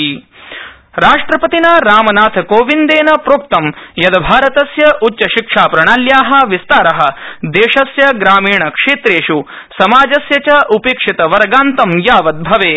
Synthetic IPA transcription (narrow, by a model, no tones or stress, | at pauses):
ɾaːʂʈɾɐpɐt̪inaːɾaːmɐnaːt̪ʰkoːʋind̪eːnɐpɾoːk̚t̪ɐmjɐd̪ɐbʱaːɾɐt̪ɐsjɐʔutːt͡ʃɐʃikʂaːpɾɐɳaːljaːɦɐ̆ʋist̪aːɾɐɦɐ̆d̪eːʃɐsjɐɡɾaːmiːɳɐkʂeːt̪ɾeːʂu | sɐmaːd͡ʒɐsjɐt͡ʃɐʔupeːkʂit̪ɐʋɐɾɡaːnt̪ɐmjaːʋɐt̪̚bʱɐʋeː